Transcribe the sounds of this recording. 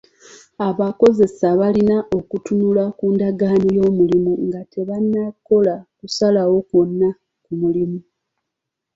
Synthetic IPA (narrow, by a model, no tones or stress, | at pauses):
aβako̞ze̞saβalinaʔo̞kutunulakuːndaɡaːnojo̞ːmulimuŋɡate̞βanːako̞lakusalawo̞kwo̞nːa | kumulimu